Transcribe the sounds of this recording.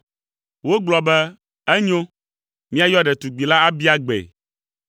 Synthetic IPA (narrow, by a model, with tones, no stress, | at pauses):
wo˦ɡ͡blɔ˨bɛ˦ | ɛ˦ɲo˦ | mĩ˦a˦jɔ˦ɖɛ˨t̪u˨ɡ͡bi˨la˦a˦bi˦a˦ɡ͡bɛ̰˨